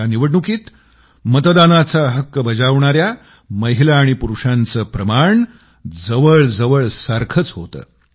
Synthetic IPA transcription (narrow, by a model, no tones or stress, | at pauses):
aniʋəɽɳukiːt̪ | mət̪d̪anat͡saɦəkːəbəd͡zaʋɳaɾja | məɦilaːɽ̃ipuɾuʂant͡səːpɾəmaɳ | d͡zəʋəɭd͡zəʋəɭsaɾkʰət͡sɦot̪ə̰ː